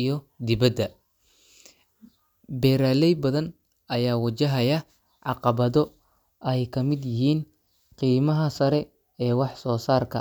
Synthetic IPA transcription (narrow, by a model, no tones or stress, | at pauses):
jɔ | d̪ɪβɐd̪ːɐ | bɛːɾaːlɛjbɐðɐn | ɐjaːwɐt͡ʃɐɦɐjɐ | ʕɑqɑβɐðɔ | ʔɐjkʰɐmɪd̪jɪɦiːn | qiːmɐɦɐsɐɾɛ | ɛːwɑħsɔːsaːrkʰɐ̰